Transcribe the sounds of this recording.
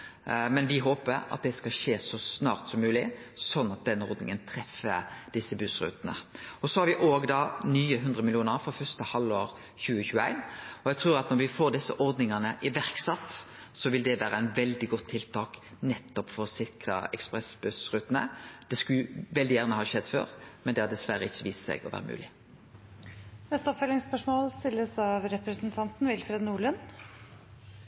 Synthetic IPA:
mɛnʋɪɦoːpəɾɑ̰t̪̚d̪ɛskɑlʃeːsɔsnɑːɾt̪sɔmːʉːlɪsɔnːɑt̪̚d̪ɛnːəɔɾd̪nɪ̰ŋənt̪ʰɾɛfːəd̪̥ɪsːəbʉsɾʉ̰ːt̪nə̰ɔsɔhɑɾʋɪʔoːɡd̪ɑːnyːəɦʉnd̪ɾəmɪlɪuːnəɾfɾɔfœʁst̪əhɑloːɾ | çʉːəçʉːəæ̰ɪnɔjɛɡt̪ʰɾuːɾɑt̪nɔɾʋɪfoːɾd̪ɪsːəʔɔɾd̪nɪŋɑnəʔɪʋæʁksɑt̪ː | sɔʋɪld̪ɛʋæːɾəæɪnʋɛld̪ɪɡɔt̪ʰːɪlt̪ʰɑːk | nɛt̪ːɔpfɔɾɔsɪɾkɾə̰ɛkspɾɛsbʉsɾʉt̪ːənə̰d̪̥ɛskʉʋɛld̪ɪjæːʁnəhɑːʃɛd̪ːfø̰ːɾmɛnd̪ɛhɑd̪ɛsʋæɾəɪçːəʋiːst̪sɛ̰ɪɡɔ̰ʋæ̰ːɾəmʉ̰ːlɪ | nɛst̪əɔpfœlɪŋspœʂmoːlst̪ɪlːəsɑʋɾɛpɾəsn̩t̪ʰɑnt̪n̩ʋɪlfɾɛd̪nuːɭʉn

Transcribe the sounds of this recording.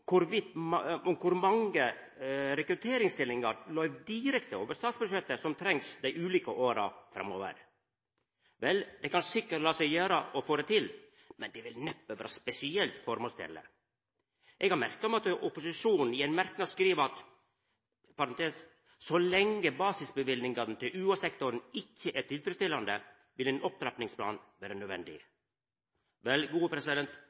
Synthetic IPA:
kʰʊɾʋɪt̪mɔkʰʊɾmɑŋə | ɾɛkɾʉt̪ʰeːɾɪŋst̪ɪlːɪŋɑɾlœʏʋd̪ɪɾɛkt̪əoːʋəst̪ɑːt̪sbʉʂɛt̪ːəsɔmt̪ʰɾɛŋsd̪æɪʔʉːliːkəʔoːɾɑ̰fɾɑ̰mo̰ːʋə̰ɾ | ʋɛld̪ɛkɑnsɪkːəʈlɑːsɛɪjøːɾəʔɔfoːd̪ɛt̪ʰɪl | mɛnd̪ɛʋɪlnɛpːøːʋæːɾɑspɛsɪɛlt̪fɔɾmɔst̪ʰɪ̰lːə̰ | ʔɛɡhɑɾmæɾkɑɔmɛɑt̪ɔpʊsɪʂuːnn̩ɪɛnmæɾknɑd̪skɾiːʋəɾɑt̪ | pɑɾɑnt̪ʰeːs | sɔlɛŋːəbɑːsɪsbəʋɪlnɪŋɡɑd̪n̩t̪ʰɪlʔʉːɑsɛkt̪ʊɾnɪçːəʔɛt̪ɪd̪fɾɪst̪ɪlːɑnd̪ə | ʋɪlɛnʔɔp̚t̪ʰɾɛpnɪŋspʰlɑ̰ːnʋæːɾənœd̪ʋɛ̰nd̪ɪ̰ | ʋɛlɡuːəpʰɾɛsɪd̪ɛnt̪

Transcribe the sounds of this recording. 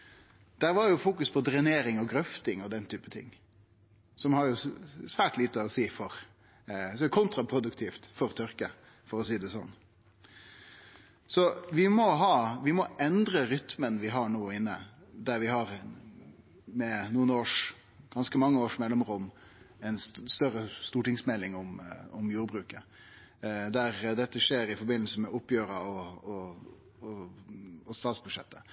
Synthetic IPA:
d̪̥æɾʋɑɾjʊfuːkʉspʰɔd̪ɾɛneːɾɪŋɔɡɾœft̪ɪŋɔd̪ɛnt̪ʰyːpət̪ʰɪ̰ŋː | sɔmhɑɾjʊsʋæːʈliːt̪əɔsiːfɔɾ | sɔmæʊkʰʊnt̪ɾɑpʰɾʊd̪ʉkt̪ʰiːft̪fɔɾt̪ʰʏɾkə | fɔɾɔs̬iːd̪ɛsɔ̰nː | sɔʋɪmɔɦɑːʋɪmɔʔɛnd̪ɾəɾʏt̪mənʋɪɦɑɳoːɪnːə̰d̪æɾʋɪɦɑɾ | mɛnuːənoːʂ | ɡ̥ɑnskəmɑŋːəoːʂmɛlːɛmɾʊm | ɛɪnst̪œɾəst̪uːʈɪŋsmɛlɪŋʊmʊmjuːɾbɾʉːkə | d̪æɾd̪ɛt̪ːəʂeːɾɪfɔɾbɪnl̩səmɛʊpːjøːɾəɔɔ | ɔst̪ɑːt̪sbʉd̪ʂɛ̰t̪ːə

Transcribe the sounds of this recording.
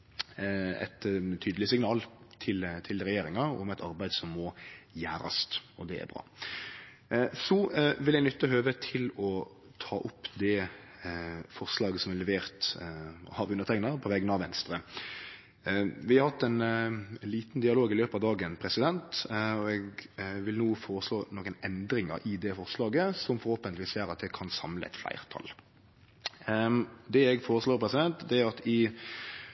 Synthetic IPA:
ɛ̰t̪t̪ʰyːd̪əlɪsɪŋnɑːlt̪ʰɪlt̪ʰɪlɾɛjeːɾɪŋɑʊ̰mɛɪt̪ʰɑɾbæɪd̪sɔmːɔjæːɾɑ̰st̪ɔd̪ɛæ̰ɾbɾɑ̰ː | sɔʋɪljɛɡnʏt̪ːəɦøːʋət̪ʰɪlɔ | t̪ʰɑːʔʊpːd̪ɛ | fɔʁslɑːɡəsɔmɛlɛʋeːʁt̪ | ɑʋʉnət̪ʰɛɪŋnɑpʰɔʋɛːɡənɑʋɛnst̪ɾə | ʋɪhɑɾhɑt̪ːɛnliːt̪nd̪ɪɑloːɡɪløːpət̪ɑʋd̪ɑːɡənpʰɾɛsɪd̪ɛnt̪ɔɛɡʋɪlnuːfoːɾəsloːnoːkənɛnd̪ɾɪŋə̰ɾɪd̪ɛfɔʁslɑːɡəsɔmfɔʁhoːpənt̪lɪʋiːsjæːɾɑt̪̚d̪ɛkʰɑnsɑmləɛ̰t̪flæ̰ɪʁt̪ʰɑ̰l | d̪ɛɛɡfoːɾəsloːɾpʰɾɛsɪd̪ɛnt̪d̪ɛæʁɑt̪ɪ

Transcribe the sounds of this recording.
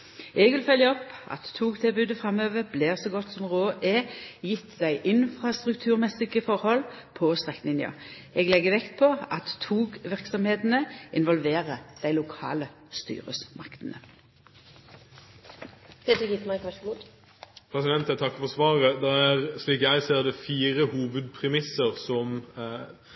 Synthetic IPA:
ɛɡʋɪlfœljəɔpʔɑ̰t̪ʰːuːɡt̪ʰɪlbʉːd̪əfʁɑmøːʋəbleːʁsɔɡɔt̪ːsɔmʁoːʔɛjɪt̪ːd̪æɪʔɪnfʁɑst̪ʁʉk̚t̪ʰʉːʁmɛsɪkəfɔʁhɔl | pʰɔst̪ʁɛknɪnjɑ̰ɛɡlɛɡːəʋɛkt̪pʰɔɑt̪ʰːuːɡʋɪʁksɔmheːt̪n̩əʔɪnʋɔlʋeːʁəd̪̥æɪlʊkʰɑ̰ːlə | st̪y̰ːʁə̰smɑkt̪ənə | pʰeːt̪əɾɡɪt̪mɑkʋɑʃɡud̪ | pʰɾɛsɪd̪ɛnt̪æɛt̪ʰɑkːfɔsʋɑːʁəd̪ɛæɾsliːkjæɪseːɾd̪ɛfiːɾəhuːʋəd̪̚pʰɾɛmɪsəɾsɔm

